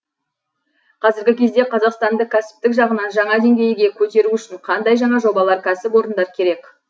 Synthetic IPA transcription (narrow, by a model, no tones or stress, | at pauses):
qʰɑzɪɾɡʲɪkʲʰe̞zd̪e̞qʰɑzɑqst̪ɑnd̪əkʲʰæsɪ̥p̚t̪ɪkʒɑʁənɑnʒɑɴɑd̪e̞ŋɡʲe̞jɡʲe̞kʲʰɵt̪e̞ɾuʏʃɪɴqʰɑnd̪ɑjʒɑɴɑʒo̞bɑlˠɑɾkʲʰæsɪpwo̞ɾənd̪ɑɾkʲʰe̞ɾe̞kʲ